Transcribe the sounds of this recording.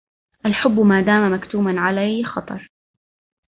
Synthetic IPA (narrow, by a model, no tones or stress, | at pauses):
ʔalħʊbːmaːd̪aːmamakt̪uːmanʕalajxɑt̪ˤɑ̰ɾˤ